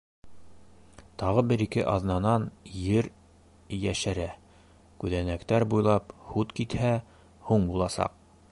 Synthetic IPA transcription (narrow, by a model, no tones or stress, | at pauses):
t̪ɑʁɤbɘɾikɘʔɑðnɑnɑnjɘɾ | jæʃæɾæ | kʉðænækt̪æɾbujlˠɑphut̪kit̪hæ | huɴbulˠɑsɑ̰q̚